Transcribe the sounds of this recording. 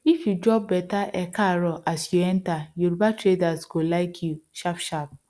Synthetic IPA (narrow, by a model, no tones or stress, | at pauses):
ifjud͡ʒɔb̚ːɛtaʔɛkaɾɔʔasjuɛ̃ntajuɾbatɾedasɡolaɪkʰjuʃapʃap̚